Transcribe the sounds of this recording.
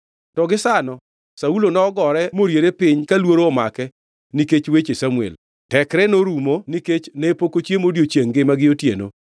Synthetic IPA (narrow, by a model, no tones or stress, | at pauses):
tɔɡɪsanɔ | saulonɔɔɡɔɾɛmoɾjeɾepɪɲkalwoɾoːmakɛ | niket͡ʃwet͡ʃesamuɛ̰l | tɛkɾɛnoɾumoniket͡ʃnɛpokot͡ʃjemodjot͡ʃjeŋɡɪmaɡɪotjḛno̰